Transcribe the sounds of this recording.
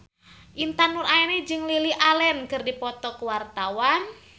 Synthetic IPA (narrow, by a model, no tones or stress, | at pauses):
ʔint̪anuraɛned͡ʒɨŋliliʔalɛnkɨrdipɔt̪ɔkuwart̪awan